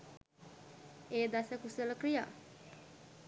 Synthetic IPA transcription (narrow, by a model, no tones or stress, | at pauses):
eːd̪asəkusələkɾija̰